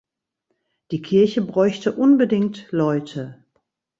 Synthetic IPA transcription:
d̥iːkʰɪɐçəbʁɔʏçtəʔʊnbədɪŋktlɔʏtʰə

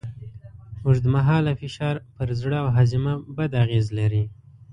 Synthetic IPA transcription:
muʐd̪əmaɦɑlafɪʃɑɾpəɾzɽəawɦazɪmabad̪aɣezlaɾi

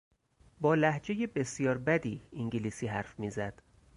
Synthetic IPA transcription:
bɒːlæhd͡ʒe̞je̞be̞sjɒːɾbæd̪iːŋɟiliːsiːɦæɾfmiːzæd̪̥

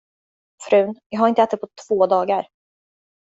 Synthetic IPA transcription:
fɾʉ̟ːnjɑːɡɦaɾɪnt̪əɛːt̪ɛpʰɔt̪ʰv̥oːd̪ɑːɡaɾ

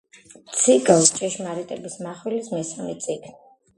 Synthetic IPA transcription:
t̪sʰiɡalˠt͡ʃʼɛʃmaɾit̪ʼɛbismaχwilismɛsamɛt̪sʼiɡ̥ni

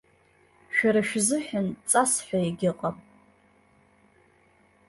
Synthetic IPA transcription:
ʃᶣaɾaʃᶣzɨħᶣant͡sʼasħʷᶣaiɡʲɪqʼam

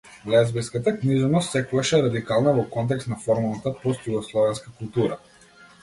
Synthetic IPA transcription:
vlɛzbɛskat̪akniʒɛnɔst̪sɛkuvaʃɛɾad̪ikalˠnavɔkɔnt̪̬ɛkst̪nafɔɾmalˠnat̪apɔst̪juɡɔslˠɔvɛnskakulˠt̪uɾa

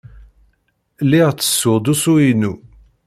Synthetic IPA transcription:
liʁt͡sːə̥sːʊʁd̪usuinu

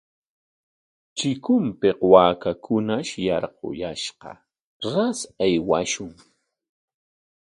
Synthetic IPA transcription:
t͡ʃɪkʊmpeqwaːkakʊnaʃjɑɾqo̰jaʃqɑ̰ | ɾasajwaʃʊŋ

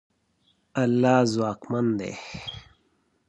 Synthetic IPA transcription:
ɐlːaːzwaːkmɐnd̪ḛ

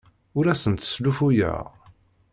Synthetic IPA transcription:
ʊɾæsənt̪ə̥slufujə̰ʁ

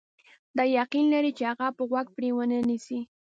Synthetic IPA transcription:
d̪ajɑqɪnlaɾɪt͡ʃɑɢɑpʊwak̚pɾewananɪsi

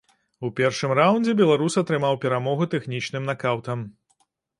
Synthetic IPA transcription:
upʲɛrʂɨmrawnʲd͡zʲɛbʲɛlˠaɾusɐt̪ɾɨmawpʲɛɾamɔɣut̪ɛxnʲit͡ʂnɨmnakawt̪ɐm

